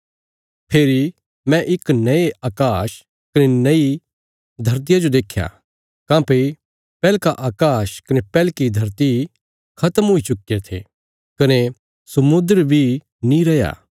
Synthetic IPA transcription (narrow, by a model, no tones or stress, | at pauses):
pʰeːɾi | mɛ̃ʔɪknɐeʔaːkaːʃ | kɐnenɐi | d̪ʱɐɾt̪̬ijad͡ʒod̪eːkʰːja̰ | kãːpe | pɛːlkaʔaːkaːʃkɐnepɛːlkid̪ʱɐɾt̪i | kʰɐt̪əmɦoit͡ʃʊkːet̪ʰḛ | kɐne | sɐmʊ̃nd̪əɾbʱi | nĩɾɐja̰ː